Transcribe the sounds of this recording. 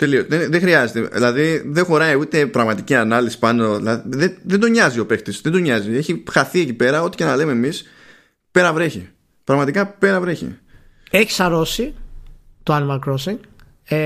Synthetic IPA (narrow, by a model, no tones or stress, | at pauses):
t̪e̞lioðenðexɾiɐzet̪ḛðḭlɐðiðexo̞ɾɐjut̪e̞pɾɐɣmɐt̪iciɐnɐlisi̥pɐno̞ðilɐðiðeðend̪o̞ɲɐzio̞pe̞kt̪isðend̪o̞ɲɐzie̞çixɐθie̞cipe̞ɾɐo̞t̪i̥ce̞nɐlemeːmis | pe̞ɾɐvɾe̞çḭ | pɾɐɣmɐt̪ikɐpe̞ɾɐvɾe̞çḭ | eçi̥sɐɾo̞si | t̪oɐnimɐlkɾosiŋɡ